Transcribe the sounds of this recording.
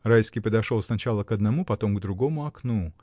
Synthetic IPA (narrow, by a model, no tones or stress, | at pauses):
rajʲskʲijpəd̪ɐʂolˠsnɐt͡ɕalˠəkɐd̪nɐmupɐt̪o̞mɡd̪ɾʊɡo̞mʊɐknu